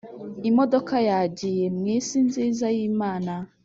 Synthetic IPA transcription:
imodokajaɟijemwiːsinzizajiːmaːna

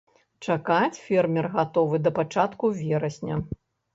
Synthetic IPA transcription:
t͡ʂakat͡sʲfʲɛrmʲɛrɣat̪ɔvɨd̪ɐpat͡ʂat̪kuvʲɛɾɐsʲnʲɐ

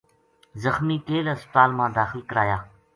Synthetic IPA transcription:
zəxmiːkeːləspət̪aːlmãːd̪aːxɪlkəɾaːjaː

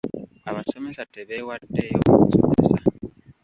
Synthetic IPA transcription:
aβasemesateβewadejoso̰βesa

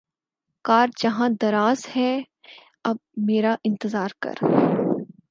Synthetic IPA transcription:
kaːɾd͡ʒɐɦãd̪ɐɾaːzhɛ | ɐb̚meːɾaʔɪ̃nt̪ɪzaːɾkɐ̰ɾ

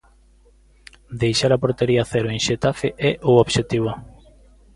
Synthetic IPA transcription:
d̪ejʃaɾɐpoɾt̪eɾiaθeɾoeŋʃet̪afeʔɛʔooβʃet̪iβo

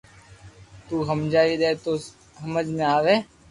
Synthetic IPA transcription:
t̪uːɦəmd͡ʒaːiɾɛɦt̪o | səməd͡ʒmẽaːʋeː

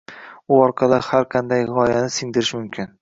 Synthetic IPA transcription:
ʊɒɾqʰɑlˠɪhaɾqʰɑnd̪ajʁɒjanɪsɪŋd̪ɪɾɪʃmʊmkʲʰɪn

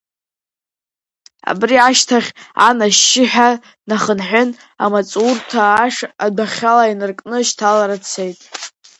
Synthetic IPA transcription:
a̰briaʃtʰaχʲa̰naʃɪħᶣa | naχənħʷʊn | a̰mat͡sʼurtʰaːʂadaχʲalainɨrkʼnɨʃtʰalaɾat͡sʰe̞jtʼ

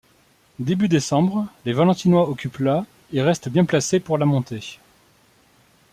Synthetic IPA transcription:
d̪ebyd̪esɑ̃bʁlevalɑ̃t̪inwaɔkʲypla | eʁɛst̪bjɛ̃plasepuʁlamɔ̃t̪e

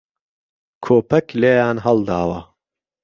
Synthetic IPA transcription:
kʰoːpʰɐkleːjaːnɦɐld̪aːwɐ

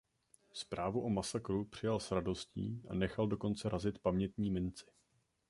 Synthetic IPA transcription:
spɾaːvuʔo̞masakɾupr̝̥ɪjalsɾado̞scḭːʔa̰nɛxaldo̞ko̞nt͡sɛɾazɪt̪pamɲɛt̪ɲiːmɪnt͡sɪ̥

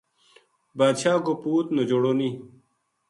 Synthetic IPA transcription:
baːd̪ɕaːkopuːt̪nɐd͡ʑoɽoniː

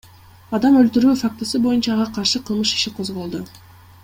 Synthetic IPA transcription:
ɑd̪ɑmølt̪yɾyːfak̚t̪ʊsɯbo̞junt͡ʃɑːʁɑqʰɑɾʃɯqʰɯlˠmɯʃi̥ʃiqʰo̞zʁo̞lˠd̪o

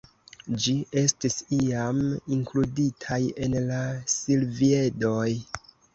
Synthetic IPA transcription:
d͡ʒie̞stisiamiŋkluditʰaje̞nlasilvie̞do̞j

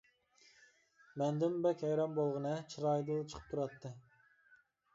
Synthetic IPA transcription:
mɛnd̪ɪmbɛkʲhɛjɾɑmbolˠʁɨnɨt͡ʃʰiɾɑjd̪ɨlˠt͡ʃʰə̥qʰə̥p̚t̪ʰuɾɑt̪ʰːɨ

